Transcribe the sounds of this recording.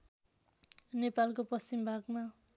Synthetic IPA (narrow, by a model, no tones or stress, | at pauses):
nepalkopʌst͡simbʱaɡma